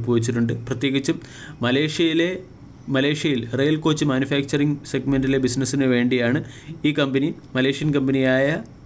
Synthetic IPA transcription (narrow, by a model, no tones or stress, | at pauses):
pːuʋit͡ɕːiʈːuɳɖɨprɐt̪je̞ːɣit͡ɕːu | mɐleːʂjɐjile | mɐle̞ːʂjɐjilrejɐlko̞ːt͡ɕːɨmaːnjufaːk̚t͡ɕɐriŋseɡmendilebisnɐsːinɨʋe̞ːɳɖijaːɳɨiːkɐmbɐni | mɐle̞ːʂijɐnkɐmbɐnijaːjɐ